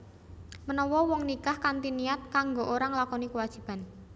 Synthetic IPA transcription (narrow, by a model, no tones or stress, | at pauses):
mənɔwɔwɔŋnikahkant̪inijat̪̚kaŋɡoʔoɾaŋlakɔnikəwad̥ʒ̥i̤b̥a̤n